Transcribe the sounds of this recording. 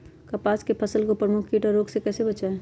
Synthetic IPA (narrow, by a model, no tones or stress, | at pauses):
kɐpaːskepʰəsəlkopɾəmʊkʰkiːʈɔɾoːɡsekɛːsebɐt͡ʃae